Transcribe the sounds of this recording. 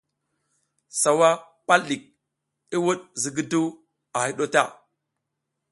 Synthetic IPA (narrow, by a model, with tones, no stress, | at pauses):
sa˨wa˦ | pa˦lːi˨k̚ | i˦wu˦ɗzi˨ɡi˦du˦ | a˨hi˦ɗo˦ta˦˨